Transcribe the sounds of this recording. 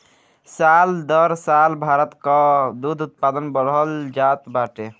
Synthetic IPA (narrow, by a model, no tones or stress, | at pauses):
sald̪ɔɾsalbʱaɾɔt̪kɔd̪ud̪ʱut̪̚pad̪ɔnbɔɾɦɔld͡ʒat̪baʈe